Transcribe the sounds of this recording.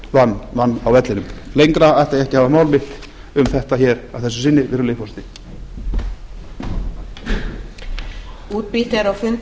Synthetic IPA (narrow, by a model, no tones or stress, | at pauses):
vanːvanːawvɛt̪lɪnʏmlejŋkɾaaht̪aðjɛhcɪhaːvamaːwlmɪht̪ | ʏmθɛht̪açɛːɾa̰vθɛsːʏ̥sɪnːɪvɛːɾʏlejhfɔst̪ɪ | uːt̪̚pit̪ɛɾawfʏn